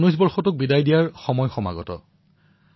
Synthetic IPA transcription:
nujs̬bɔɹxɔtʊk̚bidajdijaɹxɔmɔjxɔma̰ɡɔ̰tɔ̰

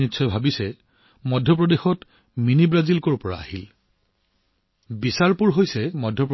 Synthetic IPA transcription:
itːsʰɔjbʱabisɛ | mɔdʱjɔp̬ɹɔdexɔt | minibɹazilkoɹpɔɹa̰a̰hil | bisaɹpuɹɦojsɛmɔdʱjɔp

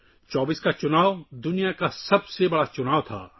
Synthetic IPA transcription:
t͡ʃɔːbiːskat͡ʃʊnaːʋd̪ʊnijakasɐbsebɐɽat͡ʃʊnaːwt̪ʰa̰ː

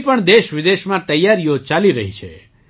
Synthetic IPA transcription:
pəɳd̪eʃʋɪd̪eʃmãt̪əjːaɾijot͡ʃaliɾəɦit͡ʃʰḛ

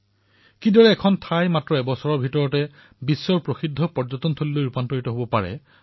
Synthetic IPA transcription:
kidɔɹɛːkʰɔntʰajmatɹɔɛbɔsɔɹɔɹbʱitɔɹɔtɛ | bisːɔɹpɹoxidʱːɔpɔɹd͡ʒɔtɔntʰolilojɹupantoɹitɔɦobɔpaɹɛ̰

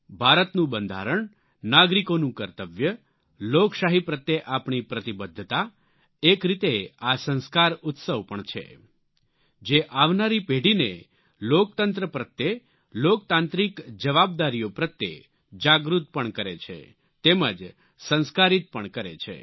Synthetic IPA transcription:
bʱaɾət̪nũbənd̪ʱa̰ɾəɳ | naɡɾikonũkəɾt̪əʋjə | lokʃaɦipɾət̪jeʔapɳipɾət̪ibəd̪ʱːt̪a | ekɾit̪easə̃nskaɾʊt̪səʋpəɳt͡ʃʰḛ | d͡ʒeʔaʋnaɾipeɽinḛ | lok̚t̪ənt̪ɾəpɾət̪ːje | lokt̪ãnt̪ɾikd͡ʒəʋab̚d̪aɾijopɾət̪ːḛ | d͡ʒaɡɾut̪̚pəɳkəɾḛt͡ʃʰḛ | t̪emə̰d͡ʒ | sə̃nskaɾit̪̚pəɳkəɾḛt͡ʃʰḛ

